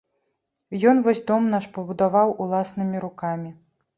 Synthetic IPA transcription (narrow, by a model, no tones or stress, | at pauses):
jɔn̪vɔsʲd̪ɔmnaʂpɐbud̪avawulˠasnɨmʲiɾukamʲi